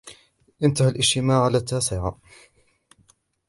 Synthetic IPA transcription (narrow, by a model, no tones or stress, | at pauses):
ʔɪnt̪ahalʔɪʃt̪ɪmaːʕalaːt̪ːaːsɪʕa̰